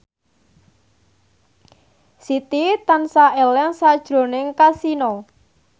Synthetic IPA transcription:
sit̪it̪ansaɛlɛŋsad̥ʒ̥ɾo̤nɪŋkasinɔ

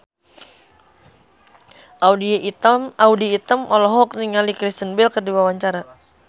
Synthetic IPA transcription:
ʔadiaudiːt̪əmɔlɔɦɔk̚niŋalikɾist̪ənbɛlkərdiwawaɲt͡ʃaɾa

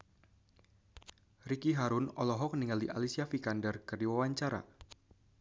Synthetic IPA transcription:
rikiɦaɾʊnɔlɔɦɔk̚niŋaldiʔa̰lisiafikandərkərdiwawaɲt͡ʃaɾa̰

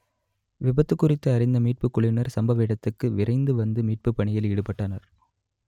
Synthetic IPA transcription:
ʋɪbɐt̪ːɯkːʊrɪt̪ːɯɐɾɪnd̪ɐmiːʈ̚pɯkːʊɭɪnɐɾsɐmbɐʋɪɽɐt̪ːɯkːɯʋɪɾɐɪnd̪ɯʋɐnd̪ɯmiːʈ̚pɯpːɐɳɪjɐliːɽɯpːɐʈːanɐɾ

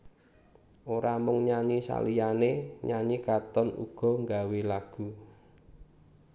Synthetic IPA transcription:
ʔoɾʔamʊŋɲaɲisa̰lijaneɲaɲikat̪ɔnṵɡ̥ɔ̤ŋɡawelaɡ̥ṳ

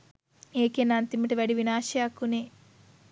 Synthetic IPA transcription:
eːkenant̪imiʈiʋɐɽiʋinaːʃjakːuneː

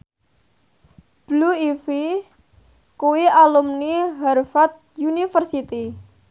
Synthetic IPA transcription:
b̥luifi | kuwialumniɦarfat̪̚ | junifərsit̪i

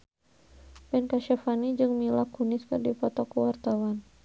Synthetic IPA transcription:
pɛnkaʃafanid͡ʒɨŋmilakunɪskɨrdipɔt̪ɔkəwart̪awan

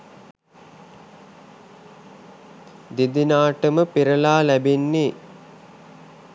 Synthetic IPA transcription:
d̪id̪inaːʈəməpiɾəlaːlæbenːe

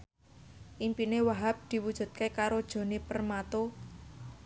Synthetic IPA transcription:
ʔimpinewaɦap̚d̪̥i̤wud̥ʒ̥ṳt̪̚kekaɾod̥ʒ̥o̤nepərmat̪o

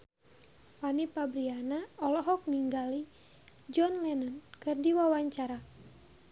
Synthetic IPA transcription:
panipabɾianaɔlɔɦɔk̚niŋɡali | d͡ʒɔnlɛnankɨrdiwawaɲt͡ʃaɾa

